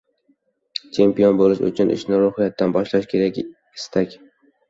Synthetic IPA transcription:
t͡ʃʰe̞mpijonbolɪʃʊ̰t͡ʃʰʊnɪ̰ʃnɪɾohɪjat̪ːanbɒʃlaʃkʲʰe̞ɾakʲ | ɪ̥st̪ʰakʲ

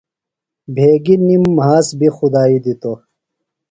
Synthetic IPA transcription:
bʱeːɡinimːɦaːsbʱixud̪aːid̪it̪o

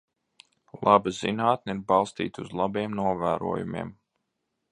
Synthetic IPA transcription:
lˠʔabazinaːt̪̚neiɾbɑlˠst̪ḭːt̪uzlˠabiɛmnuɔvæːɾṵɔjumḛɛm

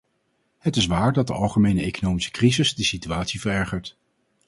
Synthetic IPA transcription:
hətɪs̬ʋaːɹdɑt̚də̰ɑlˠχəmejnəejkonowmisə̥krizɪzdəsityaːtsivərɛɹχəɹt

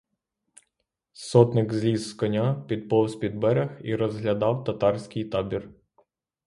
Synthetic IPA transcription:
sɔt̪nɪkzʲlʲizːkɔnʲapʲid̪̚pɔwspʲid̪̚bɛɾʲɐxiɾɔzɦlʲɐd̪ɑwt̪ɐt̪ɑrsʲkɪjt̪ɑbʲir

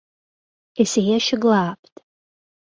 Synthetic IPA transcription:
isejɛʃɪɡlˠaːpʰtʼ

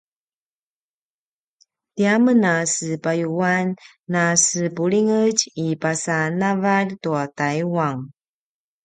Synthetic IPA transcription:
tiamənasəpajuanː | asəpuɭiŋəɟipasanavaltuatajuaŋ

